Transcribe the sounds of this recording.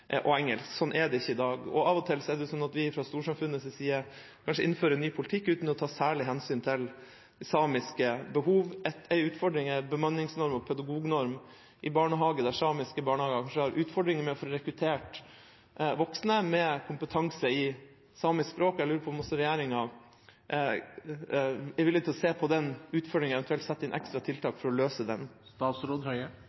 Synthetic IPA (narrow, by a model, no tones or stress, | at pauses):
ʔɔɛŋːəlsksɔnʔɛd̪ɛɪçːəɪd̪ɑːɡɔ̰ɑʋɔt̪ʰɪlsɔɛd̪ɛjʊsɔnɑt̪ʋɪfɾɑst̪uːʂɑmfʉnːəsɛsiːə | kʰɑnʂəɪ̰nføːɾənːyːpʰʊlɪt̪ʰɪkːʉːt̪nɔt̪ʰɑːsæːɭɪɦɛnsyːnt̪ʰɪl | ɛsɑːmɪskəbəɦuːʋɛt̪ːɛɪʉːt̪fɔɖɾɪŋɛbəmɑnːɪŋsnɔɾmɔpʰœd̪ɑɡuːɡnɔɾm | ʔɪbɑːɳəɦɑːɡəd̪æsɑːmɪskəbɑːɳəhɑːɡəkʰɑnʂəhɑɾʔʉːt̪fɔɖɾɪŋəɾmɛɔfɔɾɔɾɛkɾʉt̪ʰeːʈ | ʋɔksnəmɛkʰʊmpət̪ʰɑŋsəɪ | sɑːmɪskspɾoːkæɪlʉːɾəpʰɔmɔsɔɾɛjæːɾɪŋɑ | ɛɪʋɪlːɪt̪ɪlɔseːpʰɔd̪ɛnʉːt̪fɔɖɾɪŋɑɛnt̪ʰʉɛlt̪sɛt̪ːɪnʔɛ̰kst̪ɾɑt̪ʰɪlt̪ʰɑːkfɔɾɔløːsəd̪ɛnst̪ɑːt̪sɾoːd̪hœʏə